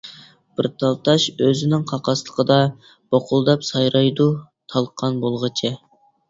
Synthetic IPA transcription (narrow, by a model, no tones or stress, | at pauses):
b̥ɪɾt̪ʰɑlˠt̪ʰɑʃøzɪnɪŋqʰɑqɑslˠə̥qʰəd̪ɑ | b̥ɑqʰʊlˠd̪ɑpsɑjɾɑjd̪u | t̪ʰɑlˠqʰɑnbolˠʁət͡ʃʰɪ